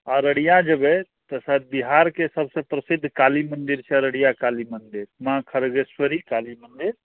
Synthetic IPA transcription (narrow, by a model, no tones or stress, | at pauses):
aɾəɽijãd͡ʒəbɛ | t̪əsad̪̚biɦaɾkesəbsẽpɾəsid̪ʱːkalimənd̪iɾt͡ʃʰɛɾəɽijakalimənd̪iɾmãkʰəɾɡeswəɾikalimənd̪iɾ